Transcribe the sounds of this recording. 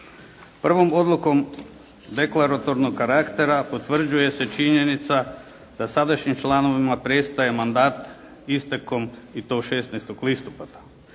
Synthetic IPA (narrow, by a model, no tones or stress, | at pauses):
pr̩ʋo̞mo̞d̪lˠuko̞m | d̪e̞klaɾat̪o̞ɾnoɡkaɾakt̪e̞ɾapo̞t̪ʋr̩d͡ʑuje̞se̞t͡ʃiɲe̞nit̪sa | d̪̥asad̪aʃɲimt͡ʃlˠano̞ʋimapɾe̞st̪aje̞mand̪aːt̪ | ist̪eko̞mit̪o̞ʃeːsnɛjst̪oɡlist̪opat̪ḁ